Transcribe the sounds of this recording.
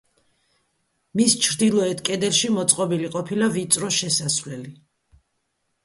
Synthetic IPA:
mist͡ʃʰɾd̪ilˠɔɛt̪ʰkʼɛd̪ɛlʃimɔt̪sʼqʼɔbiliqʼɔpʰilavit̪sʼɾɔʃɛsasvlɛli

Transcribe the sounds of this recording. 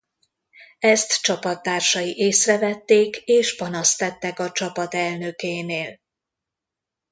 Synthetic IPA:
ɛst̪t͡ʃɒpɒt̪ːaːrʃɒjiʔeːsrɛvɛt̪ːeːkeːʃpɒnɒst̪ɛt̪ːɛkɒt͡ʃɒpɒt̪ɛlnø̞keːneːl

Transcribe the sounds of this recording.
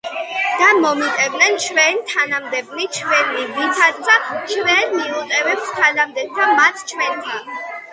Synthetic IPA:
d̪̥amɔmit̪ʼɛbnɛnt͡ʃʰwɛnt̪ʰanamd̪ɛblit͡ʃʰwɛnivisʰad̪d̪at͡ʃʰwɛnmiut̪ʼɛvɛpst̪ʰalamd̪ɛt̪ʰamat̪ʰt͡ʃʰwɛnt̪ʰan

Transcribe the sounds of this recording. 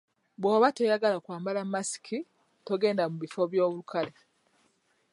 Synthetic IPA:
bwoːβatojaɡalakwaːmbalamːasi̥kʰi | to̞ɡe̞ːndamuβifo̞βjo̞ːβulukʰale

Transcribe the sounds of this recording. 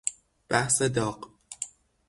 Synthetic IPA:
b̥æhsed̪ɒːq

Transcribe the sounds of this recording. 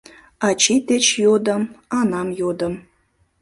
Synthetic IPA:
ɑt͡ɕit̪et͡ɕjod̪ə̆mɑnɑmjod̪ə̆m

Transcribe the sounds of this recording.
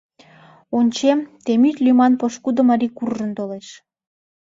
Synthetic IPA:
onʲt͡ɕemt̪emyt̪ʲlʲymɑnpoʃkud̪əmɑɾikurʒənt̪oleʃ

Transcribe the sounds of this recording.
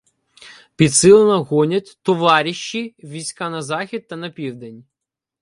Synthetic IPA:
pʲit̪sɨlˠɐnɐɣɔnʲɐtʲt̪ɔʋaɾʲiʃːiʋʲijsʲkanɐzaxʲid̪̚t̪ɐnɐpʲiwd̪ɛnʲ

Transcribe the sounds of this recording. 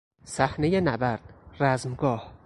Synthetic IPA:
sæhne̞jenæbæɾd̪̥̚ræzmɡɒːh

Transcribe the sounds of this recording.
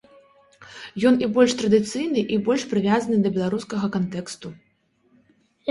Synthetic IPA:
jɔnibɔlʲʂt̪ɾɐd̪ɨt̪sɨjnɨʔibɔlʲʂpɾɨvʲazɐnɨd̪ɐbʲɛlˠaɾuskɐɣɐkant̪ɛkst̪u

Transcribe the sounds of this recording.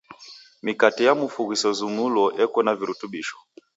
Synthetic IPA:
mikatijamufuɣisɔzumulɔʔɛkɔnaviɾutuɓiʃɔ̥

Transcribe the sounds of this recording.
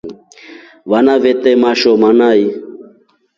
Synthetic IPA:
ʋanavɛt̪ɛmaʃɔmanai

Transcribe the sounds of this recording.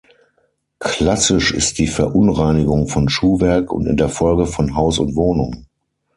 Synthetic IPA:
kl̥asɪʃɪ̰st̚d̥iːfɛɐʔʊnʁaɪnɪɡʊŋfɔnʃuːvɛɐkʊ̰ntɪ̰ndeːɐfɔlɡəfɔnɦaʊsʊntv̥oːnʊŋə

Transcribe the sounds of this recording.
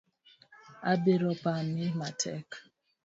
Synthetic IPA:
abeɾɔpamimatʰɛ̰k

